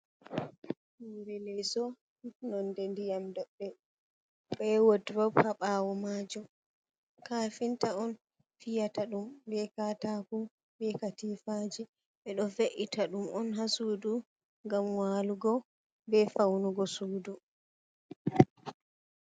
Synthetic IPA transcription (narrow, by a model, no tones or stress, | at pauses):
wiɾɛlɛsɔ | nɔndɛndijamdɔɗːɛ | ɓɛwodɾɔbhaɓawɔmaːd͡ʒɔ | kaːfintaɔn | fijataɗumbɛkatakɔ | bɛkatiːfad͡ʒi | ɓɛɗɔfeʔitʰaɗumɔnɦasudu | ŋɡamwaːluɡɔ | bɛfawnuɡɔsuːdu